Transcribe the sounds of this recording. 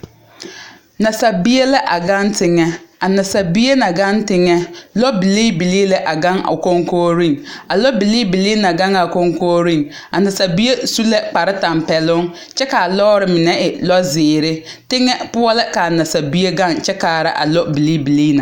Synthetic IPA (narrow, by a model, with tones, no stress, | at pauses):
na˨sa˨bi˦e˦lɛ˦ʔa˨ɡa˦ntɪ˦ŋɛ˦a˨na˨sa˨bi˦e˦na˨ɡa˦ntɪ˦ŋɛ˦lɔ˦bi˨liː˦bi˨liː˦lɛ˨ʔa˨ɡa˦ŋa̰˨ko˦ŋkoː˦ɾi˦˨ŋa˨lɔ˦bi˨liː˦bi˨li˦na˨ɡa˦ŋa˨ko˦ŋko˦ɾi˦ŋ | a˨na˨sa˨bi˦e˦su˦lɛ˦k͡pa˨ɾɪ˦ta˨m˨pɛ˨lʊ˦ŋ | t͡ʃɛ˦ka˨lɔ˦ɾɪ˨mɪ˨nɛ˦ʔɪ˨lɔ˦zɪː˨ɾɪ˦ | tɪ˦ŋɛ˦pʊ˦ɔ˦lɪ˦ka˨na˨sa˨bi˦e˦ɡa˦˨ŋt͡ʃɛ˦ka˨ɾɪ̰˦ʔa̰˨lɔ˦bi˨liː˦bi˨liː˦na˨